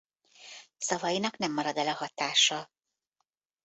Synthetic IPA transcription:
sɒvɒjinɒknɛmːɒɾɒd̪ɛlɒɦɒt̪aːʃɒ

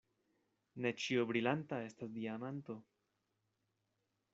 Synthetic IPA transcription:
ne̞t͡ʃiobɾilantae̞stasdiamanto̞

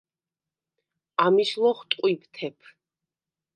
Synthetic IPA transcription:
amiʃlˠɔχt̪ʼqʼwipʰt̪ʰɛpʰ

